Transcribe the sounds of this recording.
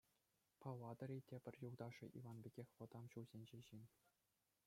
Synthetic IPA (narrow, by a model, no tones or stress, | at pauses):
pɑʋɑd̪ɤ̆ɾʲitʲebʲɘ̆rʲjuld̪ɑʂɤ̰̆ʔḭʋɑnbʲeɡʲexʲʋɤ̆d̪ɑmɕulzʲenʲd͡ʑeʑinʲ